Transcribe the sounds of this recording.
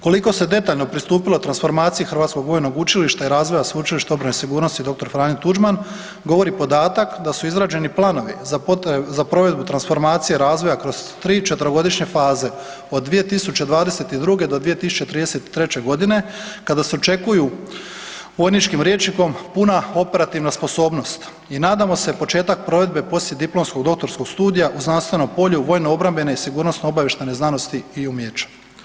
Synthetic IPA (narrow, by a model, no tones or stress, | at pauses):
ko̞liko̞se̞d̪e̞t̪aːʎno̞pɾist̪uːpilot̪ɾansfo̞ɾmaːt̪sijixɾʋat̪sko̞ɡʋo̞jno̞ɡut͡ʃiliʃt̪aiɾaːzʋo̞jasʋeut͡ʃiliʃt̪eobɾanesiɡuːɾnost̪id̪o̞k̚t̪o̞ɾfɾaːnit̪ud͡ʒman | ɡo̞ʋo̞ɾipod̪aːt̪akd̪asuizɾaːd͡ʑe̞niplˠaːno̞ʋiot̪zapɾo̞ʋe̞d̪̚but̪ɾansfo̞ɾmaːt̪sije̞ɾaːzʋo̞jakɾo̞zt̪ɾiːt͡ʃe̞t̪əɾoɡo̞d̪iʃɲe̞faːze̞ | o̞d̪ːʋije̞t̪isut͡ɕe̞d̪ʋaːd̪e̞se̞t̪id̪ɾuɡe̞d̪od̪ʋije̞t̪isu̥t͡ɕe̞t̪ɾiːd̪eset̪i̥t̪ɾe̞t͡ɕe̞ɡo̞d̪ine̞kad̪ase̞ot͡ʃe̞kuju | ʋo̞jnit͡ʃkimɾjet͡ʃniko̞mpunao̞pe̞ɾat̪iʋnaspo̞so̞ːbno̞st̪ | inaːd̪amo̞se̞po̞t͡ʃe̞ːt̪ak̚pɾo̞ʋe̞d̪̚be̞po̞slje̞d̪iplo̞msko̞ɡd̪o̞kt̪o̞ɾsko̞ɡ̥st̪uːd̪ijaʔuznanst̪ʋe̞no̞mpo̞ʎuʋo̞ːjnoobɾambe̞neisiɡuːɾnosnoobaje̞ʃt̪eneznano̞st̪iiumjet͡ʃḁ